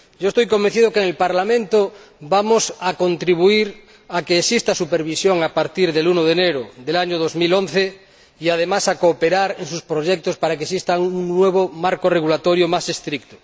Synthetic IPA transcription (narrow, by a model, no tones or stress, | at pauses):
ɟ͡ʝoest̪ojkomben̟θiðokeŋelpaɾlamẽnt̪obamosako̞nt̪ɾiβ̞uiɾ | akeːsist̪asupeɾβisjoŋapaɾt̪iɾðelunoðeneɾoðelaɲoð̞ozmilõnθe | iað̞emasakoːpeɾaɾensuspɾoʝek̚t̪ospaɾakesist̪auŋnweβ̞omaɾkoreɣ̞ulat̪oɾjomase̞st̪ɾikt̪o̥